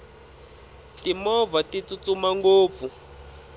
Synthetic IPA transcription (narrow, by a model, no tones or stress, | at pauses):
timɔvatit͡sut͡sumaŋɡoːp̪fu